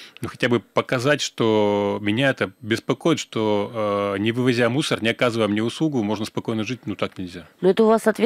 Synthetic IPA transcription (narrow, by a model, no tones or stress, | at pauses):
nuxɐtʲabɨpəkɐzatʲʂt̪omʲɪnʲaɛt̪əbʲɪspɐko̞jɪt̪ʂt̪o̞ | nʲɪvɨvɐzʲamusərnʲɪɐkazɨvəjəmnʲeʊslˠuɡʊmo̞ʐnəspɐko̞jnəʐɨt̚ʲnut̪aknʲɪlʲzʲanoɛt̪əʊvasɐt̪vʲ